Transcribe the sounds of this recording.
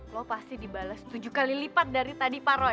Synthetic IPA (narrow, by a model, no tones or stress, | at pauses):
lɔpast̪idibalast̪ud͡ʒukalilipat̪̚daɾit̪adipaɾo